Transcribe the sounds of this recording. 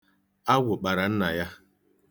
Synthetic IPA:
a˦wʊ˨k͡pa˨ɾa˨n̩˦na˨ja˦

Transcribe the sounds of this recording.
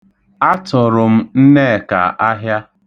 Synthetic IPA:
a˦tʊ˨ɾʊ˨m̩˦n̩˦ne˦˨ka̰˨ʔa˦ɦja˦

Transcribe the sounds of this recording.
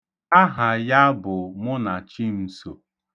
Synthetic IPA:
a˦ɦa˨ja˦bʊ˨mʊ˦na˨t͡ʃi˦m̩˨so˨

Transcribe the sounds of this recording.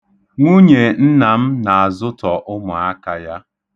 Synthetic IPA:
ŋʷu˦ɲe˨n̩˦na˨m̩˦na˨a˨zʊ˦tɔ˨ʔʊ˦mʊ˨a˦ka˨ja˦

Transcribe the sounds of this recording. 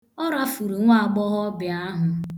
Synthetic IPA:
ɔ˦ɾa˦fu˨ɾu˨ŋʷ˦a˦˨ɡ͡bɔ˦ɦɔ˦bɪ˨a˦ɦʊ˨

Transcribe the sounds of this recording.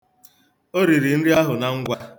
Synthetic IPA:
o˦ɾi˨ɾi˨n̩˦ɾi˦a˦ɦʊ˨na˨ŋ̩˦ɡʷa˦

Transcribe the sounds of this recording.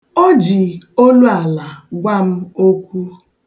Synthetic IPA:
o˦d͡ʒi˨o˦lu˦a˨la˨ɡʷa˦m̩˦o˦kʷu˦

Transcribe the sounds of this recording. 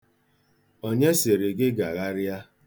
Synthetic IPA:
o˦ɲe˦se˨ɾe˨ɡɪ˦ɡa˨ɣa˦ɾa˦

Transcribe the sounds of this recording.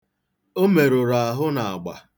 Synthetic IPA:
o˦me˨ɾo˨ɾa˨a˨ɦʊ˦na˨a˨ɡ͡ba̰˨

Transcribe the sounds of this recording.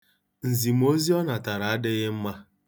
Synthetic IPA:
n̩˨zi˨m˦o˦zi˦ɔ˦na˨ta˨ɾa˨a˦dɪ˦ɣɪ˦m̩˦ma˦

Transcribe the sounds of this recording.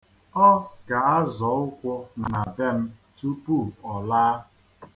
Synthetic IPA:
ɔ˦ɡa˨a˦zɔ˨˦ʊ˦kʷʊ˦n˨na˨be˦m̩˦tu˦pu˦˨ɔ˨laː˦

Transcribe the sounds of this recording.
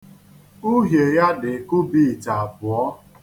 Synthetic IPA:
u˦ɦje˨ja˦dɪ˨kʊ˦bi˦˨ta˨a˨bʊ˨ɔ˦

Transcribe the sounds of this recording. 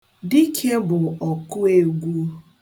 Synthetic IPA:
di˦kʰe˦bʊ˨ɔ˨kʊ˦e˦ɡʷu˦

